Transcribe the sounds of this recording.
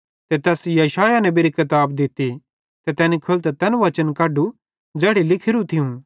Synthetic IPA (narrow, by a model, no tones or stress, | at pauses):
t̪ɛt̪ɛːsjɐʃaːjanɐ̃biɾikɐt̪aːbd̪ɪt̪i | t̪ɛt̪ɛːnikʰʊlt̪ɛt̪ɛnʋɐt͡ʃənkɐːɖu | d͡zɛːɽilɪkʰɪɾũt̪ʰɪũ